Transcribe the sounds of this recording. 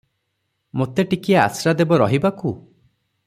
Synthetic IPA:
mot̪eʈikiaa̰sɾad̪ebɔɾɔɦibaku

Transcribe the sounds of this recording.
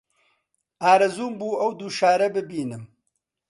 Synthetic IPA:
aːɾɐzuːmbuːɐwd̪uːʃaːɾɐbɨbiːnɨm

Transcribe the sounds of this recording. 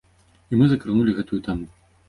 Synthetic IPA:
imɨzɐkɾɨnulʲiɣɛt̪ujut̪amu

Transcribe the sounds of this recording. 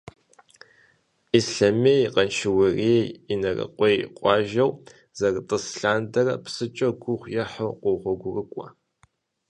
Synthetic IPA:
ʔisɬɐmejqɐnʃɪwɐriejinɐrɐ̰qʷʼejqʷʼɑːʒɐw | z̥ɐrɨtʼɨsɬaːndɐrɐpsɨt͡ʃʼɐɡʷʊχʷjɛħɐqʷoʁʷɔɡʷʊrɨkʷʼɔ

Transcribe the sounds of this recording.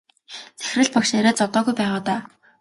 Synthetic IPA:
t͡sæ̥xrɘ̆ɮpɔkʃeɾeːt͡sɔt̪ɔːɣujpæːʁaːt̪aː

